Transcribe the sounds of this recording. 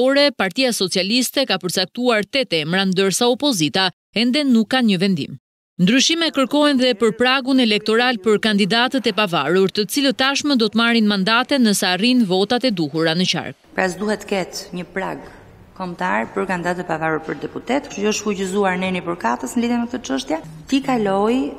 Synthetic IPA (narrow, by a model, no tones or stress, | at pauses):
ɔɾɛpaɾt̪iasɔt͡sialist̪ɛkapəɾt͡sak̚t̪uaɾt̪ɛt̪ɛmɾand̪əɾsaɔpɔzit̪a | ɛnd̪ɛnukːanɲəvɛnd̪ḭm | nd̪ɾyʃimɛkəɾkɔɛnðɛpəɾpɾaɡunɛlɛk̚t̪ɔɾalpəɾkand̪id̪at̪ət̪ɛpavaɾuɾt̪ət͡silət̪ːaʃməd̪ɔt̪əmaɾinmand̪at̪ɛnəsarinvɔt̪at̪ɛd̪uhuɾanət͡ɕa̰ɾkpɾasd̪uhɛt̪ːə̥kɛt̪ɲəpɾa̰ɡ | kɔmt̪aɾpəɾkand̪id̪at̪əɛɛpavaɾuɾpəɾd̪ɛput̪ɛt̪kʃuɔʃfuɟəzuaɾnɛnipəɾkat̪əsnəliðjɛmɛk̚t̪ət͡ʃəʃt̪jat̪ikalɔj